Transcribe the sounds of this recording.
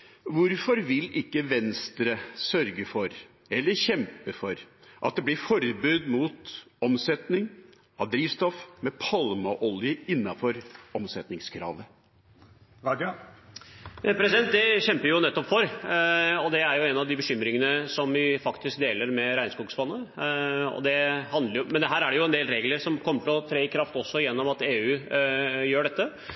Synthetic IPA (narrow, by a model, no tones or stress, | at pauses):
ʋʊɾfɔɾʋɪlɪkːəʋɛnst̪ɾəsœɾɡəfɔɾ | ɛlːəɾɕɛmpəfɔɾʔɑ̰t̪̚d̪ɛblɪɾfɔɾbʉːd̪muːt̪ɔmsɛt̪nɪŋ | ɑʋd̪ɾiːʋst̪ɔfmɛpʰɑlmɑʔɔljəɪnːɑfɔɾɔmsɛt̪nɪŋskʰɾɑ̰ːʋə | ɾɑd̪ | pʰɾɛsɪd̪ɛnt̪̚d̪ɛɕɛmpəɾjʊnɛt̪ːɔpfɔɾ | ɔd̪ɛæɾjʊɛnɑʋd̪ɪbəɕʏmːɾɪŋənəsɔmʋɪfɑkt̪ɪsk̚d̪eːləɾmɛɾæɪnskuːɡsbɑnːə | ɔ̰d̪ɛhɑnd̪ləɾjʊmɛnd̪ɛɦæːɾæɖɛjʊɛnd̪eːlɾeːɡləɾsɔmkʰɔmːəʈ̪ɪɔt̪ʰɾeːɪkʰɾɑft̪ɔsːɔjɛnːɔmɑt̪eːʉː | jøːɖɛt̪ːə